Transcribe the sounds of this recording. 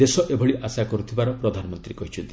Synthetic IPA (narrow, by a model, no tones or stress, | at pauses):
d̪esɔʔebʱɔɭiʔʔasakɔɾut̪ʰibaɾɔpɾɔd̪ʱanɔmɔnt̪ɾikɔɦit͡ʃʰɔnt̪i